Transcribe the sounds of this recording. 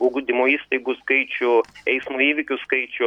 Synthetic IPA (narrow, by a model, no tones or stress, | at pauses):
oɡd̪ʲɪmoːiːst̪ɐɪɡʊskɐɪt͡ʃʲʊɛɪsmuiːʋʲɪkʲʊskɐɪt͡ʃʲʊ